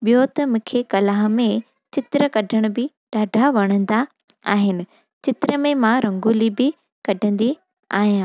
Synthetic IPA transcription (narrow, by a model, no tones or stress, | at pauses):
ɓijot̪ɐmũːkʰekɐlaːɦmẽ | t͡ɕɪt̪ɪɾəkɐɖʱəɽ̃ʊbɪ | ɗaːɖʱaʋɐɽ̃ə̃n̆d̪a | aːɦɪnɪ̆ | t͡ɕɪt̪ɪɾəmẽmãɾɐ̃ŋɡuːlibɪ | kɐɖʱə̃nd̪i | a̰ːɦijãː